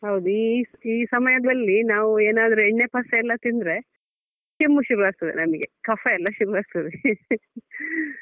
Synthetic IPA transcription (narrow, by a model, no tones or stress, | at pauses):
hɐwd̪uiiːsɐmɐjɐd̪ɐlːinaːʋueːnaːd̪ɐɾueɳːe̞pɐsɐɛlːɐt̪ind̪ɾe̞ | kemːuʃuɾuʋaːɡ̚t̪ɐd̪ḛnɐmɐɡe̞̰kɐfeɛlːɐʃuɾuʋaːɡt̪ɐd̪e